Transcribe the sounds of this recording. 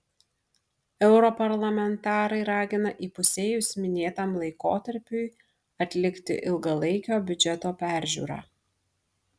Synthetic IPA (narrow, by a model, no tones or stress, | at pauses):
ɛʊɾɔpɐɾlˠɐmʲɛnt̪ɑːɾɐɪɾɑːɡʲɪnɐʔiːpʊsʲeːjʊsmʲɪnʲeːt̪ɑːmlˠɐɪkoːt̪ɐɾʲpʲʊɪ | ɐt̪ʲlʲɪkt̪ʲɪ̰ʔɪlˠɡɐlˠɐɪkʲoːbʲʊd͡ʒʲɛt̪oːpʲæˑɾʲʒʲṵːɾɑ̰ː